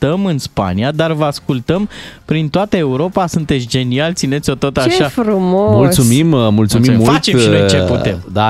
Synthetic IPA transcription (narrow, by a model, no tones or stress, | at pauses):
t̪əmɨnspa̰niad̪arvəaskult̪əmpɾint̪oat̪əe̞uɾo̞pasunt̪e̞t̪sʲd͡ʒe̞nialt̪sine̞t̪sʲo̞t̪o̞t̪aʃafɾumomultssumimmult̪sumimːult̪t͡ʃeʃiojt͡ʃeput̪e̞md̪a